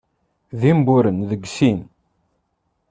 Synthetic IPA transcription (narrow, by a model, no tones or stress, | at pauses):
ðimbʊɾənðəɡsin